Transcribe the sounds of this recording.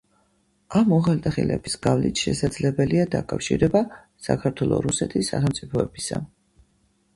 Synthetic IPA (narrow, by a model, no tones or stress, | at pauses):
amːɔʁalt̪ʼaχilɛ̰bisɡ̥avlit̪ʰʃɛsad̪zlɛbɛliad̪akʼafʃiɾɛba | sakʰaɾt̪ʰwɛlˠɔ̰ɾusɛt̪ʰisːaχɛmt̪sʼipʰɔɛbisa